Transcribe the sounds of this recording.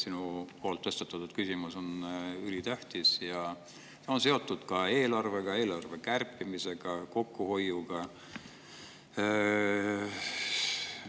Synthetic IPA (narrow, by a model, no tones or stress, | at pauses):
sinupoːlt̪ːɤst̪et̪ːˑɑt̪ːud̪̥kysʲimuso̞nylit̪æht̪isjɑ | t̪eo̞ns̬e̞o̞t̪ːˑud̪̥kɑe̞ːlɑrve̞ɡ̥ɑe̞ːlɑrve̞kærpːˑimise̞ɡ̥ɑko̞kːuho̞juɡ̥ɑ